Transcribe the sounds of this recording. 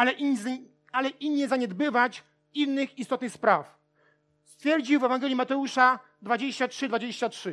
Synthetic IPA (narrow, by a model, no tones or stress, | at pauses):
alɛʔi | alɛʔinːɛzaɲɛd̪bɘvat͡ɕ | inːɘxist̪ɔt̪nɘxspɾaf | st̪fʲjɛɾd͡ʑiwvɛvaŋɡɛlʲjimat̪ɛuʂa | d̪vad͡ʑeɕt͡ɕatʂɘd̪vad͡ʑeɕt͡ɕatʂɘ